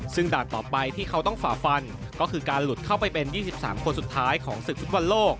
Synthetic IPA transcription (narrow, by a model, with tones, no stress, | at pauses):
sɯ˥˩ŋdaː˨˩nt̪ɔː˨˩pa˧jt̪ʰiː˥˩kʰa˦˥wt̪ɔ˥˩ŋfaː˩˦fa˧n | kɔː˥˩kʰɯː˧kaː˧nlu˨˩t̪̚kʰa˥˩wpa˧jpe˧njiː˥˩si˨˩p̚sa̰ː˩˦mkʰo˧nsu˨˩t̪ʰːaː˦˥jkʰɔː˩˦ŋsɯ˨˩k̚fʰu˦˥t̪̚wa˧nloː˥˩k̚